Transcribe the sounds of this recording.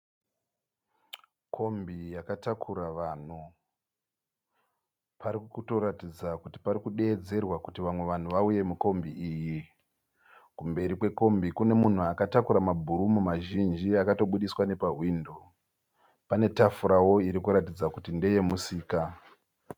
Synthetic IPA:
kʰo̞mbijakatakʰuɾaʋaːn̤u | paɾikkuto̞ɾatid͡zakuti̥paɾikuɗe̞ːd͡ze̞rwakutiʋamwe̞ʋan̤uʋauje̞muko̞mbiiːji | kumbe̞ɾikwe̞ko̞mbikune̞mun̤uakatakuɾamabʱuɾumumaʒind͡ʒiakato̞ɓuɗiswane̞paɦwiːndo̞ | pane̞tafuɾawo̞iɾikuɾatid͡zakutinde̞je̞musiːka

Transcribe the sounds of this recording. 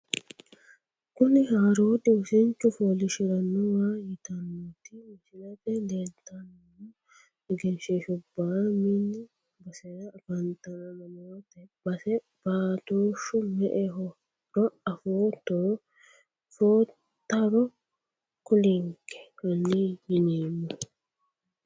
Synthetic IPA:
kʊnɪɦaːɾoːd̪ɪʊsɛɲt͡ʃːʊfoːlɪʃɪɾɐnːɔwaːjɪt̪ɐnːɔt̪ɪmɪsɪlɐt̪ɛleːlt̪ːɐn | mɔ | ɪɡɛnʃeʃʊbːaːminːɪ | bɐsɛɾɐːbɐnt̪ɐnɐnɐmoːt̪ɛbɐsɛ | b̥aːt̪oːʃʊmɛʔɛɦɔ | ɾɔɐfoːt̪ːɔɾ | foːtt̪ːɐɾɔ | kʊlɪŋkɛ̥kɐnːijɪneːmːʊ

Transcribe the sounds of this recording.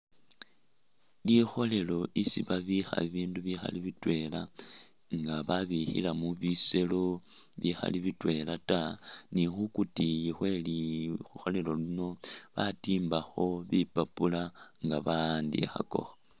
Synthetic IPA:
lixo̞le̞lo̞ʔisiβaβixa̰iβiːnduβixa̰liβitwe̞la | ŋɡaβaβixḭlamuβise̞lo̞ | βixa̰liβitwe̞latanixukutijixwe̞lixuxo̞le̞lo̞lino̞βatiːmbaxo̞βipapulaŋɡaβandḭxa̰ko̞̰xa

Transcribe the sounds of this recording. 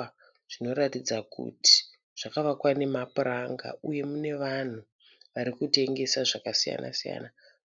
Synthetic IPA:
ʐ̥ino̞ɾatid͡zakṵti̥ | ʐ̥akaʋakwane̞mapuraŋɡa̰uje̞mune̞ʋan̤u | ʋaɾikute̞ŋɡe̞saʐakasija̰na̰sija̰ːna

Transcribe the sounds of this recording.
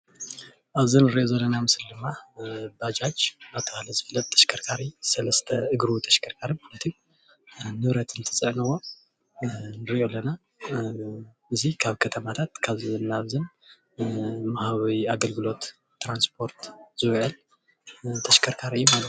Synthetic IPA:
ʔaβzɨnɨɾiʔjo̞zɐlːɐnamɨslid̪ɨmːabad͡ʒat͡ʃaβt̪ʰɐkalɐzɨfɨlːɐt̪̚t̪ʰːɐʃkʰɐɾkʰaɾisɐlɐst̪ʰɐɨɡɾut̪ʰɐʃkʰɐɾkʰaɾimɨhnɐt̪ʰɨju | nɨβɾɐt̪ɨnt̪ʰɨ̥sʼɨʕnɨwo̞ | nɨɾiʔo̞lːɐna | ɨzikʰaβkʰɐt̪ʰɐmat̪ʰat̪kʰaβzɨnːaβzɨn | mahaβiaɡɐlɡɨlo̞t̪ː | ɾanspʰo̞ɾt̪z̥ɨβʕɨl | t̪ʰɐʃkʰɐɾkʰaɾɨjːumalɐt̪

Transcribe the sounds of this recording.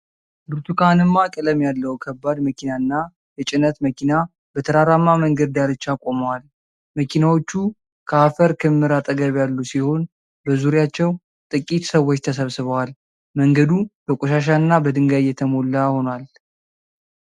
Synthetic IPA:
bɨɾt̪ʰukʰanɨmːakʼɨləmjalːəwkʰəbːad̪məkʰinaɨnːa | jɛt͡ʃʼɪnət̪məkina | b̥ət̪ʰəɾaɾamːaməŋɡəd̪̚d̪aɾɨt͡ʃːakʼo̞məwal | məkʰinawo̞t͡ʃːu | kʰəafəɾkʰɨmːɨɾat̪ʼəɡəβjalːusiho̞n | bəzuɾjat͡ʃːɛw | t̪ʼɨkʼit̪səwːot͡ʃːt̪ʰəs̬əβsɨβəwal | məŋɡəd̪ubəkʼoʃaʃ̬aɨnːabəd̪ɨŋɡajɛt̪ʰəmo̞lːaho̞nal

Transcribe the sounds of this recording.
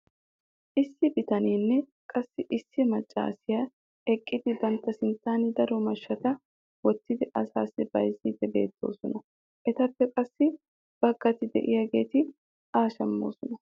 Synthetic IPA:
ʔɪsːɪbɪt̪ɐniːnːɛ | kʼɐsːɪʔɪsːɪmɐt͡ʃʼːa̰ːsɪjɐ | ɛkʼːɪd̪ɪbɐnt̪ːɐsɪnt̪ːaːnɪd̪ɐɾɔmɐʃːɐt̪ɐ | wɔt̪ːɪd̪ɪʔɐsaːsɪbɐ̰jzid̪ɛbe̞̰ːt̪ːo̞̰ːsɔnɐ | ʔɛt̪ɐpːɛkʼɐsːɪ | b̥ɐɡːɐt̪ɪd̪ɛ̰ʔɪjɐɡe̞ːt̪ɪ | ʔaːʃɐmːo̰ːsɔnɐ

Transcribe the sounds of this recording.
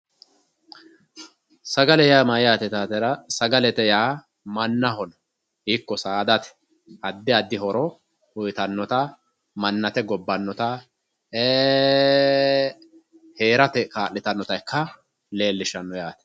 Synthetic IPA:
sɐɡɐlɛjaːmɐjaːt̪ɛt̪aːt̪ɛɾɐsɐɡɐlɛt̪ɛjaː | mɐnːɐɦɔnɐ | hiːkːɔsaːd̪ɐt̪ɛ̥ | ɐd̪ːɪɐd̪ːɪhɔɾɔ | ʊjt̪ɐnːɔt̪ɐ | mɐnːɐt̪ɛɡɔbːɐnːɔt̪ɐ | eː | heːɾɐt̪ɛkaːlːɪt̪ɐnːɔt̪ɐjkʰːɐ | le̞ːlːɪʃɐnːɔjaːt̪ɛ̥

